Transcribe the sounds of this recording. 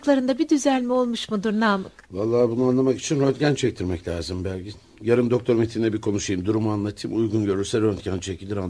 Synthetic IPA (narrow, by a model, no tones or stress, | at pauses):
klˠaɾɯnd̪abid̪yzælʲmio̞lˠmuʃmud̪uɾnaːmɯkvalˠːaːbunuanlˠamaki̥t͡ʃʰinɾont̪ɟænt͡ʃʰɛc̚t̪ʰiɾmɛclʲaːzɯmbælʲɟin | jaɾɯmd̪o̞k̚t̪ʰo̞ɾmet̪ʰinnɛbikʰo̞nuʃujɯmd̪uɾumanlˠat̪ʰɯːmujɡunɟø̞ɾyɾsɛɾønt̪ɟænt͡ʃʰecʰʲilʲd̪ʲiɾan